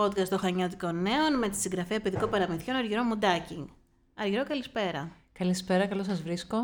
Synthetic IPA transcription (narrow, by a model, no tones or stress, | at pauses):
o̞t̪kɐst̪oxɐɲɐt̪̬iko̞nːe̞o̞nme̞t̪i̥siŋɡɾɐfiɐpiðiko̞pɐɾɐmiθço̞nɐɾʝiɾo̞mud̪ɐciŋɡ | ɐɾʝiɾo̞kɐlispe̞ɾɐ̰ | kɐlispe̞ɾɐkɐlo̞sɐzvɾisko